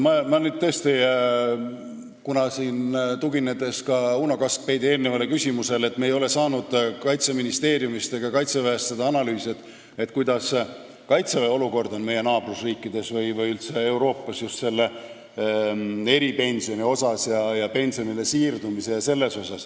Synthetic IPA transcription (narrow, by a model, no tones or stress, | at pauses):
mɑmɑnyːd̪̚t̪ɤːst̪i | kunɑsiːnt̪uɡined̪e̞skɑunokɑsk̚pe̞jd̪ie̞ːlnevɑlekysʲimuse̞le̞t̪ːmejo̞le̞sɑːnud̪̥kɑjt̪seminist̪e̞ːrjumist̪eɡ̥ɑkɑjt̪seveest̪sed̪ɑɑnɑlyːsiet̪ːˑ | e̞t̪ːkujd̪ɑs | kɑjt̪seveo̞luko̞rd̪o̞nme̞je̞nɑːbrusriːkːˑid̪̥e̞svɤjvɤjylt̪se̞e̞wɾo̞ːpˑːɑsjust̪se̞lːe | e̞ɾipe̞nʲsio̞nio̞sɑsjɑjɑpe̞nʲsionilesiːrd̪umise̞jɑse̞lːe̞so̞sɑs